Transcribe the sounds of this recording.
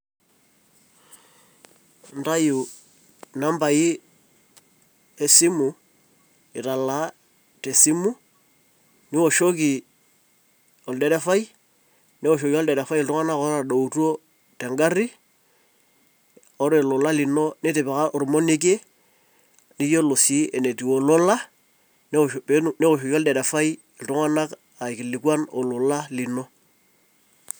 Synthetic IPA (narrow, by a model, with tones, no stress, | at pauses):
nta˦ju˨ | na˦mba˨ɪ˦ | e˨sɪ˦mʊ˨ | ɪ˨ta˨la˨˦ | te˨si˦mʊ˦ | nɪ˦wɔ˨ʃo˦ki˨ | ɔ˨ldɛ˨ɾɛ˦fa˦j | nɪ˦wɔ˨ʃ̬o˨ki˦ɔ˦ldɛ˨ɾɛ˨fa˦ji˨ltʊ˦ŋa˦na˦kɔ˦ɾa˨ɗo˨u˨to˦ | tɛ˨ŋɡa˦ri˦ | ɔ˦ɾe˨lʊ˨la˦li˨no˦nɪ˦te˨pa˨ka˦ʔo˨ɾmo˦ni˦k̬e˦ | ni˦jo˦lo˨si˦ɛ˨ne˨ti˨wo˨lo˦la˦ | n˦pene˦o˨ʃ̬o˨ki˦ɔ˦ldɛ˨ɾɛ˨fa˦j | e˨ltʊ˦ŋa˦na˦k | a˨e˨kɪ˨li˨kwa˦no̰˨lʊ˨la˦li˨no˦